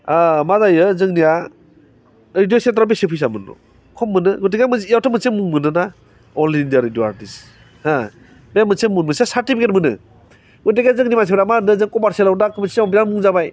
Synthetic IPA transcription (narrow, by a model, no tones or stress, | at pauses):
amazajɯzɯŋnia | ɾidijoseat̬ɾap̬isepʰijs̬amɯnɔ̰ | kʰɔmːɯnɯɡut̬iɡamɯzjawtʰamɯsemuŋmɯnɯna | ɔlindijaɾidjoa̰ɾtis | hã | bejamɯsemunmɯsiasaɾtipʰiket̚mɯnɯ̰ | ɡuteɡazɯŋnimas̬ebɾamanɯzɯŋkɔmaɾselawdakɔmisiɔpinanmuŋzabaj